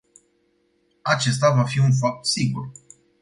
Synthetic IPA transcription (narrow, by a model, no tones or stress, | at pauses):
at͡ʃe̞st̪avafiunfap̚t̪siɡṵr